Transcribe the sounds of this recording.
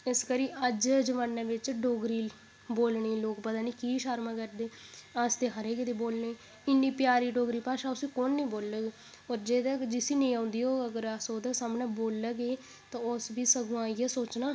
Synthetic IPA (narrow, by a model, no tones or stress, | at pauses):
ɪskəɾiːʔəd͡ʒd͡ʒəʋaːnːẽːʋɪt͡ʃɖoːɡɾiː | boːlɳiːloːkpəd̪aːnĩːkiːʃaːɾmãːkəɾd̪eːast̪eːɦəɾeːkɪt̪eːboːlniː | ɪnːiːpjaːɾiːɖoːɡɾiːpaːʃãːʊsĩːkonːĩːboːlːəɡ | oːɾd͡ʒeːd̪ɛkd͡ʒɪsiːnĩːãːʊnd̪iːoːəɡəɾasoːd̪aːsamnɛːboːlːəɡeː | t̪ãːʊsbiːsəɡũaːiːɛːsoːt͡ʃnaː